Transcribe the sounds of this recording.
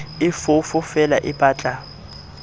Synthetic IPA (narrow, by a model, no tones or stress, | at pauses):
ɪfʊfʊfɛlaʔɪpʼaːt͡ɬʼa